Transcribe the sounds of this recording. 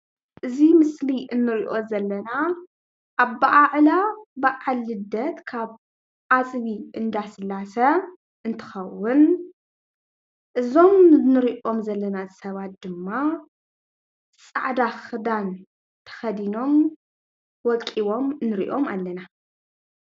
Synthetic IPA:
ʔɨzimɨsliʔɨnːɨɾiʔo̞zɐlːɐna | ʔːβːaʔaʕlabɨʕalːɨd̪ɐt̪kʰaβ | ʔat͡sʼβiʔɨnd̪asɨlːasɐ | ʔɨnt̪ʰɨ̥xɐwːʊn | ʔɨzo̞mnɨɾiʔo̞mzɐlːɐnasɐβat̪̚d̪ɨmːa | sʼa̰ʕd̪axɨd̪an | t̪ʰɐ̥xɐd̪ino̞m | wɔkʼːiwo̞mnɨɾḭʔo̞ma̰lːɐna

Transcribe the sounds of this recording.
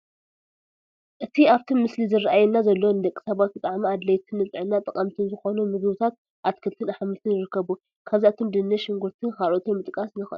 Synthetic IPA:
ʔɨt̪ʰiaβt̪ʰimːɨslizɨraʔajɛnːazɐlːonɨd̪ɐkʼːi̥sɐβat̪̚bɨt̪ʼaʕmiad̪lɐjt̪ʰɨnːɨt͡sʼɨʕɨnːat̪ʼɐkʼɐmt̪ʰɨnzɨxo̞numɨɡɨβɨt̪ʰat̪̚ | ʔat̪kʰɨlt̪ʰɨnaħmɨt̪ʰɨnjɪɾɨkʰːɐβu | kʰaβziʔat̪ʰomd̪ɨnːɐʃɪŋɡuɾt̪ʰɨxaɾʔot̪ʰunmɨt̪ʼkʼasnɨxʔ

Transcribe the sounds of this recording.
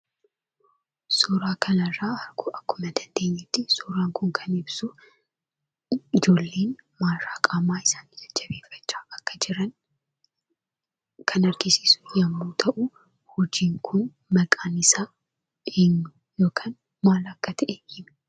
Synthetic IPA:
sʊɾaːkʰɐnɐrːaːɐɾɡʊʔɐkːʊmɐd̪ɐnd̪e̞ːɲːɛt̪ːɪsuːɾaːŋkʊŋkʰɐnɪbsʊ | ɪd͡ʒo̞ːlːe̞ːnmaːɾɾaːkʼaːmaːɪsaːnɪd͡ʒɐd͡ʒːɐbe̞ːfːɐ̥t͡ʃːaːɐkːɐd͡ʒɪɾɐn | kʰɐnɐɾɡɪsiːsʊ̥jɐmːuːt̪ʰɐʔʊ | hʊd͡ʒiːŋkʰʊn | mɐkʼaːnɪsaː | ʔeːɲːʊ | jo̞ːkʰaːn | maːlɐkːɐt̪ʰɐʔɛhɪm

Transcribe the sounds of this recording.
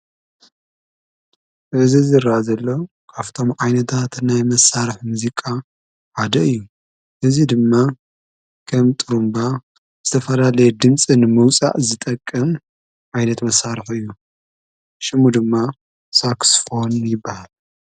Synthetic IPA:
ʔɨzizɨɾazɐlːo | kʰaft̪ʰo̞mʕajnɐt̪ʰat̪najmɐsːaɾɨħmuzikʼa | ʕad̪ɐɨjːu | ʔɨzid̪ɨmːa | kʰɐmt̪ʼɨɾumba | z̥ɨt̪ʰɐfɐlalɐjɛd̪ɨmt͡sʼinɨmɨwt͡sʼa̰ʔzɨt̪ʼɐkʼːɐm | ʕajnɐt̪mɐsːaɾɨħɨjːu | ʃɨmud̪ɨmːa | saksfo̞njɪbːahal

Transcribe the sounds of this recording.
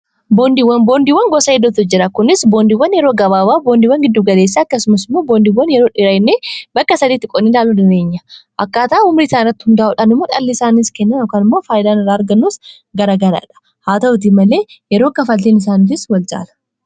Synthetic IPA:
bo̞ːnd̪iːwːɐnbo̞ːnd̪iːwɐŋɡɔsɐɛd̪ːʊt̪ɔd͡ʒɪɾɐkʊnɪsboːnd̪iːwːɐnjɛɾo̞ːɡɐβaːbaːboːnd̪iːwɐŋɡɪd̪ːuːɡɐle̞ːs̬ːaːɐkːɐsʊmɐsɪmːo̞ːboːnd̪iwːɐnjɛɾo̞ːᶑɪɾɐjnːeːbɐkːɐsɐd̪iːt̪ːɪkʼɔnːilaːlud̪ɪne̞ːɲːɐʔɐkːaːt̪ɐʔʊmɾiːsaːnɪrːɐt̪ːɪ̥hʊnd̪ɐːʔuːᶑanɪmːoːᶑʼɐlːisaːniːskɛnːɐnokaːnɪmːo̞ːfaːjd̪aːnɪrːaːɐɾɡɐnːuːs | ɡɐɾaːɡɐɾa̰ːᶑɐ̥ | haːt̪ɐʊt̪̬imɐle̞ːjɛɾoːkːɐfɐlt̪eːnɪs̬aːnɪd͡ʒɪswɐlt͡ʃʼa̰ːlɐ̥

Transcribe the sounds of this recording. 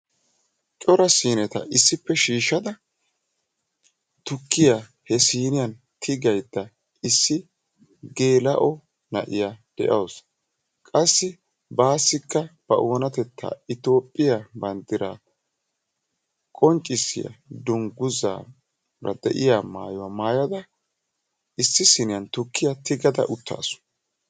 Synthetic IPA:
t͡ʃʼɔɾɐsiːnɛt̪ɐ̰ʔɪsːɪpːɛʃiːʃːɐd̪ɐ | t̪ʊkːɪjahɛsiːnɪjɐn | t̪ʰɪɡɐjd̪ːɐ | ɪsːɪ | ɡe̞ːlɐʔɔ | nɐ̰ʔɪjad̪̥ɛ̰ʔɐws | kʼɐsːɪ | baːsːɪkːɐb̥ɐ̰ʔoːnɐt̪ɛt̪ːa̰ːɪt̪o̞ːpʼːɪjabɐnt̪ːɪɾaː | kʼɔnt͡ʃʼːɪsːɪ̰jɐ̰d̪ʊŋɡʊza̰ː | ɾɐ̰d̪ɛ̰ʔɪjama̰ːjʊwɐmaːjɐd̪ɐ | ʔɪsːɪsɪnɪjɐnt̪ʊkʰːɪjat̪ɪɡɐd̪ɐ̰ʔʊt̪ːa̰ːsʊ̥

